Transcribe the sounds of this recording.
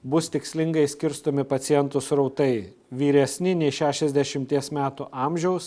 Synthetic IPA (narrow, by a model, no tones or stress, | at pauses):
bʊst̪ʲɪksʲlʲɪŋɡɐɪsʲkʲɪɾst̪oːmʲɪpɐt̪ʲɪjɛnt̪ʊsɾɔʊt̪ɐɪ | ʋʲiːɾʲɛsʲnʲɪnʲɛɪʃʲæːʃʲɛzʲd̪ʲɛʃʲɪmʲt̪ʲiɛsmʲæːt̪ʊʔɑmʲʒʲɛʊs